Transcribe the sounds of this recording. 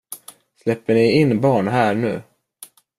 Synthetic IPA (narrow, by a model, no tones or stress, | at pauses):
slɛpːəɳɪɪnːbɑːɳɦæːɾɳʉ̟ː